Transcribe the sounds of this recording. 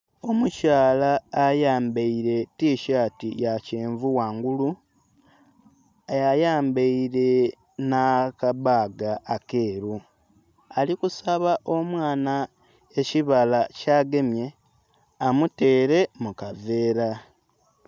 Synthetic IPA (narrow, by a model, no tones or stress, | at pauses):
o̞mucaːlaːjaːmbeiɾe̞tiːʃaːtijaceːɱvuwaːŋɡulu | ajajaːmbeiɾe̞ | nakaβaːɡaːke̞ːɾu | alikusaβaʔo̞mwaːna | eciβalacaːɡe̞mje̞ | amute̞ːɾe̞mukave̞ːɾa